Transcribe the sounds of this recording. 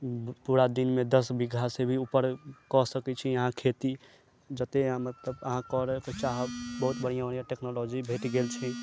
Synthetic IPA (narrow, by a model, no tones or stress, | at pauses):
puɾad̪inmed̪əsbiɡʱasebʱiupəɾkɔsəkɛt͡ʃʰiəɦãkʰet̪i | d͡ʒət̪eãmət̪ləbəɦãkɔɾɛket͡ʃaɦbəɦut̪bəɽ̤ijãəɽ̤ijãʈeknolod͡ʒibʱeʈɡelt͡ʃʰi